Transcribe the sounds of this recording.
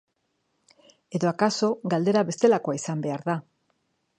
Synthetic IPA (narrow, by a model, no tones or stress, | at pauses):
eðoakasoɡald̪eɾaβe̞st̪elakoajsambeaɾða